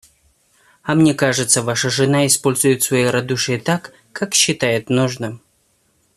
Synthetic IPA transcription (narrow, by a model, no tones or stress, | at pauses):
ɐmnʲekaʐɨt̪səvaʂəʐɨnaɪspo̞lʲzʊjɪt̪svɐjejɾɐd̪uʂɨjɪt̪akː | akɕːɪt̪ajɪt̪noʐnɨm